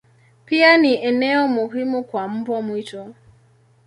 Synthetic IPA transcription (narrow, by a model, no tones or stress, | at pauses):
pianiʔɛnɛɔmuɦimukwam̩bwɔmwitɔ